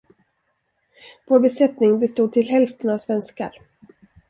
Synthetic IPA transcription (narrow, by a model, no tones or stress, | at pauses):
voːɾbɛsɛt̪nɪŋbɛst̪uːd̪̚t̪ʰɪlɦɛlft̪ənavsvɛnska̰ɾ